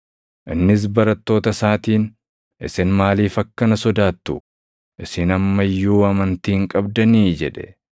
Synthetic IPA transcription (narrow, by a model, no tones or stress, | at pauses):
ʔɪnːɪs̬bɐɾɐt̪ːo̞ːt̪ɐsaːt̪iːn | ʔɪsɪnmaːliːfɐkːɐnɐsɔd̪aːt̪ːʊ | ʔɪsɪnɐmːɐjːuːɐmɐnt̪iːŋkʼɐbd̪ɐniːd͡ʒɛᶑɛ